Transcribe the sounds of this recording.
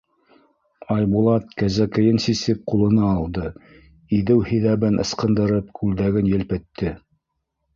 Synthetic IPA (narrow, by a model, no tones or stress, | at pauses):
ɑjbulˠɑt̪̚kæzækɘ̆jɘnsisɘp̚qulˠɤ̆nɑːlˠd̪ɤ | iðɘwhĭðæβɘnʔɤ̰̆sqɤ̆nd̪ɤ̆ɾɤp̚kʰʉld̪æɡɘnjɘ̆lpɘ̆t̪ʰːɘ